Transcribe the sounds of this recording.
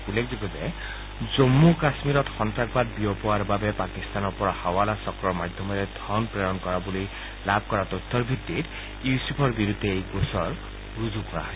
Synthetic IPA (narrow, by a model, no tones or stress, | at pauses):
ulːek̚ʰzibɔzḛ | zomːukasmiɾɔt̪xɔntɾak̚bad̪̚biɔpɔwaɾbabepakist̪anɔɾpɔɾahawalasɔkɹɔɹmad̪ʱjɔmɔɾɛd̪ʱɔnpɹɔjɔnkɔɾabulij | lab̚ʱkɔɹat̪ɔt̪ʰːɔɾbʱit̪ːit | jusipʰɔɹbiɾud̪ʱːeejɡosɔɹ | ɹuzukɔɾa̰ɦɔ